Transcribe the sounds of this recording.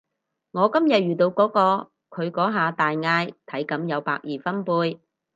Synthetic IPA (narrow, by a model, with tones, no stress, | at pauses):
ŋɔː˨˧kɐ˥mjɐ˨t̚ɥyː˨˩t̪o˧wkɔː˨˥kɔː˧ | kʰɵ˨˧ɥkɔː˨˥ɦaː˨˧t̪aː˨jŋaː˧jt̪ʰɐ˨˥jkɐ˨˥mjɐ˨˧wpaː˧k̚jiː˨˩fɐ˥npuː˧j